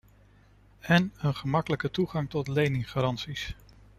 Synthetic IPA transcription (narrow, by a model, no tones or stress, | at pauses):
ɛnənχəmɑkələkətuχɑŋtɔtlejnɪŋχaɾɑntsis